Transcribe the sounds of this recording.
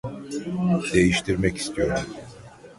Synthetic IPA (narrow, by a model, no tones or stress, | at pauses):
d̪̥e̞jiʃt̪ʰiɾmɛci̥st̪ʰijo̞ɾd̪um